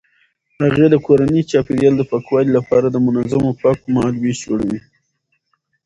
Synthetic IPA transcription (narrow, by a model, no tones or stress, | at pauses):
haɣed̪əkoɾanit͡ʃɑpeɾjɑld̪əpakwɑlilapɑɾad̪əmʊnazamopɑkmalwid͡ʒoɽawi